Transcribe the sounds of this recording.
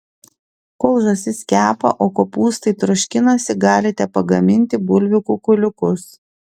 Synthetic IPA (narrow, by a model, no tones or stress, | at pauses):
kɔʊʒoːsʲɪsʲkʲæːpɐ̰ʔoːkoːpuːst̪ɐɪt̪ɾʊʃʲkʲɪnɐsʲɪɡɑːlʲɪt̪ʲɛpɐɡɐmʲɪnʲt̪ʲɪbʊlʲʋʲɪkukʊlʲʊkʊs